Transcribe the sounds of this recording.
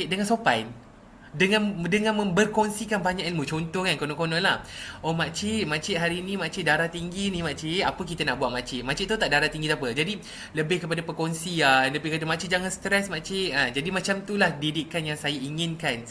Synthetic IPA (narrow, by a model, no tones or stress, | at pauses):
dəŋãnsopan | dəŋãndəŋãnmə̃mbərkonsikanbaɲaʔimũt͡ʃɔnt̪ɔkankonɔ̃ŋkonɔ̃nlahomaʔt͡ʃiʔ̚mãt͡ʃɪʔ̪̚ɦaɾinĩmat͡ʃɪt̪̚daɾaht̪iŋɡinĩmaʔt͡ʃiʔapək̬it̪anaʔbuwaʔ̪̚mat͡ʃɪʔ̪̚mat͡ʃɪt̪ʔ̚t̪ut̪aʔdaɾat̪iŋɡit̪uapəd͡ʒadi | ləbɪhkəpadapəkɔnsianləbpikadamat͡ʃɪt̪d͡ʒaŋanst̪ɾɛsmat͡ʃɪʔ̪̚ad͡ʒadimat͡ʃamt̪ulahdidiʔkanjaŋsajaiŋɪnkan